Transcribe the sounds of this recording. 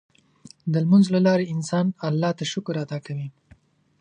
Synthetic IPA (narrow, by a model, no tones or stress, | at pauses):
d̪əlmanzlalɑɾeɪnsɑnalːɑt̪aʃʊkɾat̪ɑkawi